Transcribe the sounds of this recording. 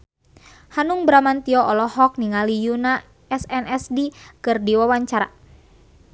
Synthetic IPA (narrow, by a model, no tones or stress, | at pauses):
hanuŋbɾamant̪iɔʔɔlɔhɔk̚niŋalijuna | ɛsɛnɛsdikɨrdiwawaɲt͡ʃaɾa̰